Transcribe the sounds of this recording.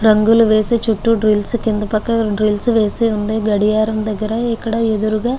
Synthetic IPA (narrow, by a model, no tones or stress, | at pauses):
ɾɐŋɡuluʋe̞ːsit͡ʃuʈːuɖɾilskind̪upɐkːɐɖɾilsʋe̞ːsiund̪iɡɐɽijaːɾɐmd̪ɐɡːɐɾɐikːɐɽɐed̪uɾuɡaː